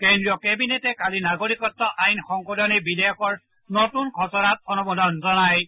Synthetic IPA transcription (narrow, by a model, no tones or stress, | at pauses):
kendɹijɔkebinetɛkalinaɡoɹikɔtːɔʔajnxɔŋkɔdɔnibidɛjɔkɔɹ | nɔtunkʰɔsɔɹat̚ɔnɔmɔdʱɔnzɔnaj